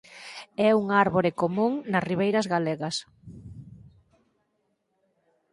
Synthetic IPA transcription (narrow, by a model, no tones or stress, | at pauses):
ɛuŋaɾβoɾekomũŋnɐsriβ̞ejɾɐzɣaleɣɐs